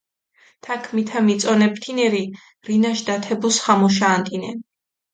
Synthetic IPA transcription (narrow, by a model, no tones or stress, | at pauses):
t̪ʰakʰmit̪ʰamit̪sʼɔnɛpʰt̪ʰinɛɾi | ɾinaʃd̪at̪ʰɛbusχamɔʃ̬aːnt̪ʼinɛn